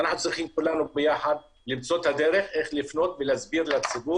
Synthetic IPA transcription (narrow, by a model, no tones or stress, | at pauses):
anaħnut͡sʁiχimkulanubejaħad̪̚ | limt͡so̞t̪had̪eɾeχeχlifno̞t̪velazbiʁlat͡sibu